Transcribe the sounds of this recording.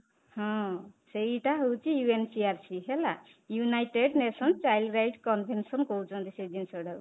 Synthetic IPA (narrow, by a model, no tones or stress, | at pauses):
hɔ̃seiʈaɦowt͡ʃijuensiaɾsiɦela | junajʈeɖnesɔnt͡ʃajlɾajʈkɔnbʱensʌnkowt͡ʃʰɔ̃nd̪ised͡ʒinsɔɽʌ